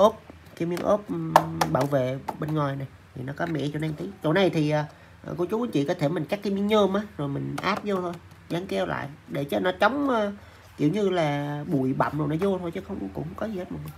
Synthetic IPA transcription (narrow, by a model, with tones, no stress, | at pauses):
ʔo˦˥p̚ | ki˧˦mi˧əŋʔo˦˥p̚ɓaː˧˩wvḛ˧˨ɓe˧nŋwaː˨˩jna˨˩jt̪ʰi˨˩nɔ˨˦kɔ˨˦mɛ̰˧˥t͡ɕo˧˩na˧t̪ʰi˨˦t͡ɕo˨˩na˨˧˩jt̪ʰi˨˩ʔəː˨˩˨ | kɔ˧t͡ɕu˨˦ku˨˧˦ŋt͡ɕḭ˧˨kɔ˨˦t̪ʰe˧˩mi˨˩ŋ̟ka˦˥k̚ːaː˧mi˧əŋɲəː˧mʔaː˨˦zo˨˩jmï˨˩ŋ̟ʔaː˦˥p̚zo˧t̪ʰo˧j | zaː˨˦ŋkɛ˧wla̰ː˧˨jɗe˧˩t͡ɕə˦˥nɔ˨˦t͡ɕa˨˦wŋ͡məː˧ | kḭ˧˩əwɲɨ˧laː˨˩ɓu˧˩jɓa̰˨˧˩mzo˨˩jnɔ˨˦zo˧t̪ʰo˧jt͡ɕə˨˦xə˧wŋ͡mkʊ̰˧˥ŋ͡mŋ͡mkɔ˨˦zi˨˩he˦˥t̚mə˨˩ŋ˨˩